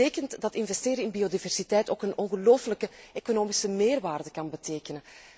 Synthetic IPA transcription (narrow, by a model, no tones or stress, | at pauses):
eːkəntdɑtɪnvɛsteːɾəɪnbiodivɛrsitɛjtoːkənɔnɣəloːfələkəekonoːmisəmeːrʋaːrdəkɑnbəteːkənən